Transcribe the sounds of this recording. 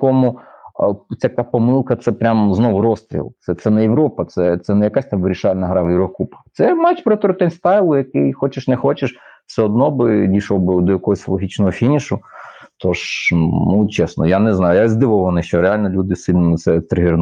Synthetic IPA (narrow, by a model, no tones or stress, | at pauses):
kɔmʊ | t͡sʲɐkapɔmɪlˠkɐt̪sɛpɾʲamznɔʋʊɾɔst̪ɾʲḭlˠt̪sɛt̪sɛnɛjeʋɾɔpɐt̪sɛt̪sɛnɛjɐkasʲt̪aʋɪɾʲiʃɑlʲnɐɦɾɑʋjɪʋɾɔkupɐ̥t̪sɛmɛt͡ʃpɾɔt̪ɔɾt̪ɛnʲst̪ɑjlˠʊjɐkɪjxɔt͡ʃɪʃnɛxɔt͡ʃɪʃ | sɛɔd̪nɔbɪd̪ʲiʃlɔwbɪd̪ɔjɐkɔɦɔsʲlˠɔɦʲit͡ʃnɔɦɔfʲinʲiʃʊt̪ʰɔʃnut͡ʃɛsnɔ̰janɛznɑjʊjazd̪ɪʋɐwʋɔnɪʃt͡ʃɔɾealʲnɐlʲud̪ɪsɪlʲnɔmɪsɛt̪ɾɪɦɪɾn